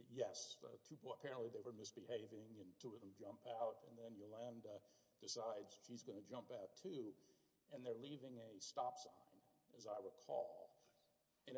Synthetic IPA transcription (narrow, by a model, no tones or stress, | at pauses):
jɛspʰipl̩ˠəpʰɛɹɨ̃nʔliðeɪwə˞mɪsb̥ɨheɪvɪ̃ŋɨ̃ntʰɨɨðə̃m̩d͡ʒʌ̃mpʰaʊɾɨ̃nðɨ̃njəlæ̃ndɨ | d̥ɨsaɪdz̥ʃizɡʌnɨd͡ʒʌ̃mpaʊtʰʉ | ɨ̃nðə˞livɪ̃ŋɨstɑpsã̰ɪ̃n | ɨzaɪɹɪkʰɔ̰lˠ | ɨ̃n